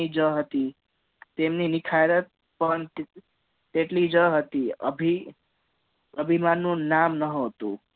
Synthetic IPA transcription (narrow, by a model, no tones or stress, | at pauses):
id͡ʒʌɦot̪i | t̪emninikʰajɾʌt̪̚ | pʌn | t̪eʈlid͡ʒʌɦot̪iʌ̰bʱi | ʌbʱimanːunamnʌɦot̪ṵ